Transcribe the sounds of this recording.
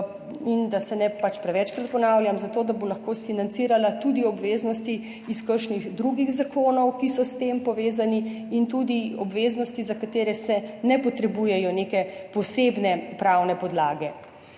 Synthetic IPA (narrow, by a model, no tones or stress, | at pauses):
ind̪asɛnɛpat͡ʃpɾɛʋɛt͡ʃkɾat̪̚pɔnawlʲjamzat̪oːd̪abolaxkosfinant̪siːɾalat̪ud̪iɔbʋeːznɔst̪i | iskəɾʃniɣd̪ɾuɡiɣzakʰoːnɔwkisɔst̪empɔʋeːzaniint̪uːd̪iɔbʋeːznɔst̪izakat̪eːɾɛsɛnɛpɔt̪ɾɛbujɛjɔnekɛpɔseːbnɛpɾawnɛpɔd̪laːɡɛ